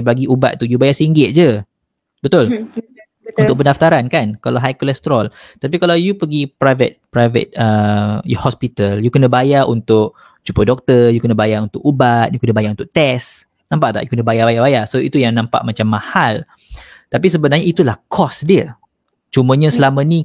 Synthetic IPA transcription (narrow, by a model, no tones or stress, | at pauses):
baɡiʔuba̰t̪̚t̪ujubajasiŋɡɪt̪̚d͡ʒə | bət̪ʊl | unʊk̚pəndaft̪aɾankankalawɦajkolɛst̪ɾɔl | t̪ap̬ikalawjupəɡipɾajvə̰t̪̚pɾajvə̰t̪̚əjhɔspit̪əljukənəbajaʔunt̪ʊk̚ | t͡ʃupədɔk̚t̪əjukənəbajaunt̪ʊkubat̪̚jukənə̃bajaʔunt̪ʊʔt̪ɛs | nãmpaʔt̪a̰ʔjukənəbajabajabajasoḭt̪ujaŋnãmpa̰ʔmat͡ʃamːahal | t̪apisəbənarɲait̪ulahkʰɔsdiə | t͡ʃumə̃ɲãsəlamãni